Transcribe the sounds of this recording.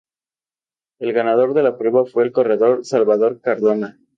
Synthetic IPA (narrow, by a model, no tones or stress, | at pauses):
e̞lɣanaðo̞ɾðe̞lapɾe̞βafwe̞ːlko̞re̞ðo̞ɾsalβaðo̞ɾkaɾðo̞na